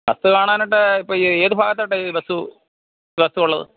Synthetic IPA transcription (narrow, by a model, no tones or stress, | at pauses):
bɐ̰st̪ukaːɳaːniʈ̬ːɨipːoːeːðubʱaːɣɐt̪ːoʈːebɐst̪u | bɐst̪uuɭːɐðɨ̰